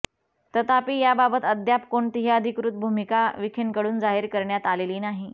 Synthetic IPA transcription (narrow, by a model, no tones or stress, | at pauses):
t̪ət̪apiːjababət̪əd̪japkoɳt̪iɦiəd̪ʱikɾut̪̚bʱumikaʋikʰenkəɽuːnd͡zaɦiɾkəɾɳjat̪aleliːnaɦi